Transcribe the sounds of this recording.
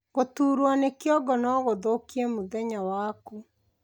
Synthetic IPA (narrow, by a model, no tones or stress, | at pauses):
ɣotuːɾwanekjɔɡɔnɔɣoðokiɛmoðɛɲawaːku